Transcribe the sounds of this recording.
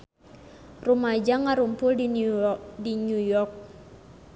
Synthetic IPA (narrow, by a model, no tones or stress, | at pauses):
rumad͡ʒaŋːaɾumpʊli | dinujɔrk̚